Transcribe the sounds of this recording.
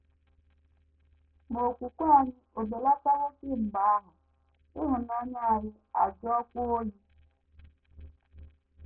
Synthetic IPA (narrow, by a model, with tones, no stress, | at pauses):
mo˨kʷu˨kʷa˦˨ɲɪ˦o˨de˨la˦ta˦ɾo˦si˦˨m̩˨ba˨˦a˦ɦʊ˨ | u˦ɦʊ˨na˨˦ɲa˦a˨ɾʊ˦ | a̰˨d͡ʒɔ˦kʷu˦o˦li˦